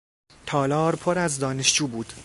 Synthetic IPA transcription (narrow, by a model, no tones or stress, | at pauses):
t̪ʰɒːlɒːɾpʰoɾæzd̪ɒːne̞ʃd͡ʒuːbuːd̪̥